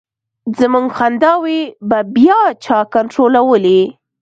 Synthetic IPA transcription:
zəmuŋɡxand̪ɑwebabjɑt͡ʃɑkaɳʈɾolawəli

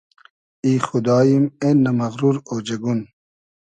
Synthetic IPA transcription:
iːxud̪ɑːjimenɐmɐɣɾuɾoːd͡ʑeɡun

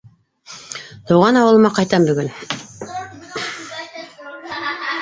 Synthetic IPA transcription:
t̪ŏwʁɑnɑwɤ̆lˠɤ̆mɑqɑjt̪ɑmbɵ̆ɡɵn

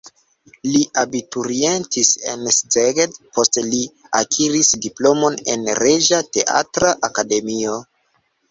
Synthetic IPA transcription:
liʔabituɾie̞ntisḛnszeɡedpo̞stli | akʰiɾisdiplo̞mo̞ne̞̰nɾe̞ʒate̞ʔa̰tɾaʔakade̞mio̞

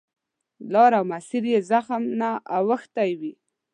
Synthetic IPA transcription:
lɑɾawmasiɾjezaxmnaawəxt̪ajwi

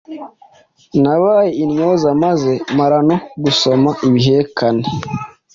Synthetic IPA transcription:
naβaːjeinɲo̞ːzamaze̞maɾano̞ɡuso̞maʔiβiɦe̞kane

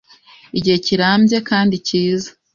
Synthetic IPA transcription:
iɟihe̞ciɾaːmbje̞kaːndiciːza

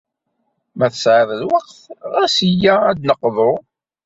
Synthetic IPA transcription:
mæθəsʕɪðˤəlwɑqθʁæsəjæːd̪nəqːðˤo

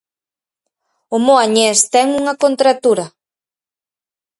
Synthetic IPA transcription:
ʊmoaɲest̪ɛŋuŋɐkont̪ɾat̪uɾɐ

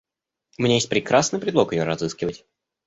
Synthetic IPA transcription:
mnʲejet̚ʲpɾʲɪkɾasnɨjpɾʲɪd̪lˠo̞kjɪjoɾɐzɨskʲɪvətʲ

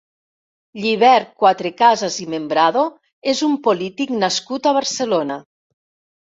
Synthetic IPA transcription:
ʎiβ̞ɛɾkwat̪ɾekazazimembɾaðo | ezumpolit̪iknaskut̪aβaɾselona

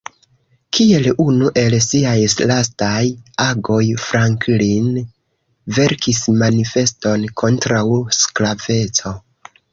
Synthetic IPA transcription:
kie̞lunuʔe̞lsiajslastajaɡo̞jfɾaŋklin | ve̞ɾkismanife̞sto̞nkʰo̞ntɾawsklave̞t͡so̞

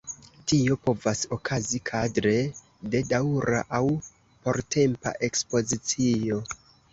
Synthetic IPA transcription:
tio̞po̞vaso̞kʰazikʰadɾe̞ | de̞dawɾa̰ʔaw | po̞ɾtʰe̞mpa̰ʔe̞kspo̞zit͡sio̞

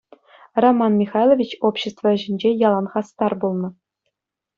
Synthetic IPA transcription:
romːɑnmʲixɑjlˠovʲit͡ɕopɕːĕst̪vɤ̆ʑɘ̆nʲd͡ʑejɑlˠɑnʁɑst̪ɑrbulˠnɤ̆

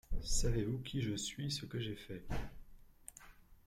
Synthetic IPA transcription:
savevukʲiʒəsɥisəkəʒefɛ

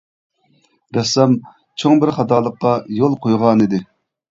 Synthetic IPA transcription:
ɾɛsɑm | t͡ʃʰoŋbɪɾχɑt̪ɑːlˠəqːɑjolˠqʰojʁɑnid̪ɪ

